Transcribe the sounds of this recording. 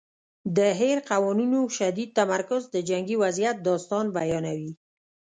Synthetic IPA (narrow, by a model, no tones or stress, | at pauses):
d̪əɦeɾqawɔninoʃad̪id̪̚t̪amaɾkʊzd̪əd͡ʒaŋɡiwazijat̪̚d̪ɑst̪ɑnbajɑnawi